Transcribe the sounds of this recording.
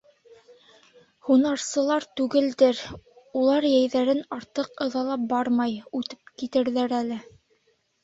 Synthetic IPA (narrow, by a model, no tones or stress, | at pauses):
hunɑɾsɤ̆lˠɑɾt̪ʉɡɘ̆ld̪ɘɾ | ulˠɑɾjæjðæɾɘnɑɾt̪ɤqɤ̆ðɑlˠɑp̚bɑɾmɑjʉt̪ɘ̥p̚kit̪ɘ̆ɾðæɾælɘ